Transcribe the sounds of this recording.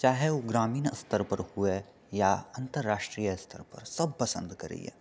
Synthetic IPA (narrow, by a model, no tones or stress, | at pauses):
t͡ʃaːɦɛoɡɾaːmiːnɐ̰st̪ʰəɾpɐɾhue | jaɐ̃nt̪əɾːaːʃʈɾiːjəɐst̪ʰəɾpɐɾsɐb̚pɐsə̰̃nd̪kɐɾḛḭɦɛ̰ː